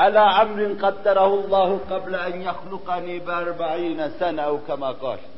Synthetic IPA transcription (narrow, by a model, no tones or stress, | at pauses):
ʔalaːʔamɾɪnqɑd̪ːɑɾˤɑhʊlˤːɑːhʊqɑblaʔanjaxlʊqɑniːbɪʔɑɾˤbaʕiːnasanaʔawkamaːqɑ̰ːl